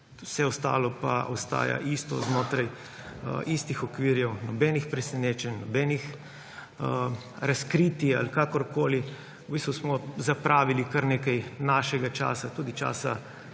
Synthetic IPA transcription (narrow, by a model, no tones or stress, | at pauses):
sɛɔst̪a̰ːlɔpa̰ʔɔst̪a̰ːja̰ʔist̪ɔ̰znoːt̪ɾaj | ist̪ixɔkʋiɾjɛwnɔbɛːnixpɾɛsɛneːt͡ʃɛnnɔbɛnix | ɾaskɾit̪ia̰likakɔɾkoːli | ɔbist̪ʋusmɔzapɾʔaːʋilikɐɾneːkɛjnaʃɛɡat͡ʃa̰ːsat̪uːd̪it͡ʃa̰ːsa̰